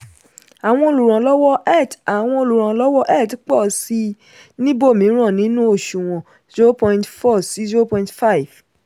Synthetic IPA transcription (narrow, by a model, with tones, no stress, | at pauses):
a˨w̃ɔ̃˧o˧lu˨ɾ̃ã˨lɔ˦wɔ˦ɛ˦˨ta˨w̃ɔ̃˧o˧lu˨ɾ̃ã˨lɔ˦wɔ˦ʔɛ˦˨tk͡pɔ˦˨si˧ | nĩ˦bo˦˨mĩ˨˦ɾ̃ã˦˨nĩ˨˦nũ˦o˦˨ʃũ˨w̃ɔ̃˨ | zo˦pɔ̃˧ĩ˨tfɔ˦˨si˨˦zo˦pɔ̃˧ĩ˦tfa˦˨i˨v̥